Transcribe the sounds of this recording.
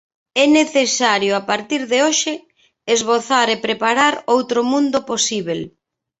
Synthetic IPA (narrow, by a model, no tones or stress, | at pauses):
ɛneθesaɾjoapaɾt̪iɾðeoʃɪ | ezβoθaɾepɾepaɾaɾowt̪ɾomũnd̪oposiβ̞el